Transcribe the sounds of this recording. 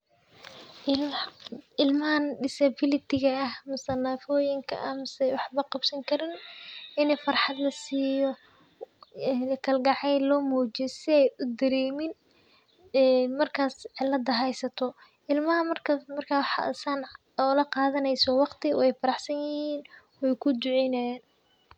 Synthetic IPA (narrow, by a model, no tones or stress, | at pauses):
ɪlmɐhɐnɖɪsɐbɪlɪt̪ʰɪɣɐɐhmʊsɐnafɔːjɪŋkʰɐ̰ʔɐhmɐsɛjwɑħbɐqɑbsɐŋkʰɐɾɪnɪnɛjfɑrħɑd̪lɐsiːjɔ | kʰɐlɡɑʕɛjlɔːmuːt͡ʃɛsɪɛjʊd̪ɐɾɛːmɪn | ɛːmɐrkʰaːsʕɪlːɐd̪ɐɦɛjsɐt̪ʰɔ | ʔɪlmɐhɐmɐrkʰɐmɐrkʰaːħsaːn | ɔːlɐqɑːðɐnɛjsɔwɑqt̪ʰɪ̰ɛjfɐɾɑħsɐnjɪhiːn | wɛjkʰʊd̪ʊʕɛjnɐjaːn